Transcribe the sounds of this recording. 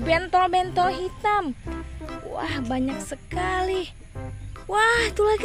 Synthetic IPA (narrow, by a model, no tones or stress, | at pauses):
bɛnt̪ɔbɛnt̪ɔɦit̪am | wa̰hbaɲak̚səkali | waht̪uak